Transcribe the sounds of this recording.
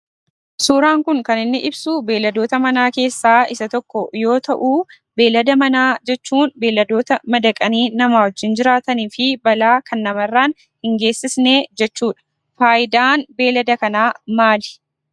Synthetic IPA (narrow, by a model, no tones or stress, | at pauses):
suːɾaːŋkʊŋkɐnɪnːɪʔɪbsuːbe̞ːlːɐd̪o̞ːt̪ɐmɐnaːke̞ːsːaːɪsɐt̪ɔkːɔjo̞ːt̪ɐʔuː | be̞ːlɐd̪ɐmɐnaːd͡ʒɛt͡ʃːuːnbe̞ːlːɐd̪o̞ːt̪ɐmɐd̪ɐkʼɐniːnɐmaːwɔd͡ʒːɪnd͡ʒɪɾaːt̪ɐniːfɪbɐlaːkʰɐnːɐmɐrːaːn | hɪŋɡe̞ːsːɪsne̞ːd͡ʒɛt͡ʃːuːᶑɐ̥ | faːjɪd̪aːnbe̞ːlɐd̪ɐkɐnaːmaːd̪ɪ̥